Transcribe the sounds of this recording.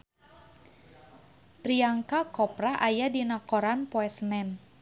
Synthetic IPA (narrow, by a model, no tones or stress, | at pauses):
pɾiaŋkakɔpɾaʔajadinakɔɾanpɔɛsnɛn